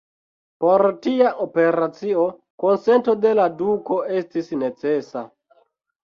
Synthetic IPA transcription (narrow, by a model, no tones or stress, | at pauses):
poɾtiaʔope̞ɾat͡sio | ko̞nsento̞de̞laduko̞e̞stisne̞t͡se̞sa̰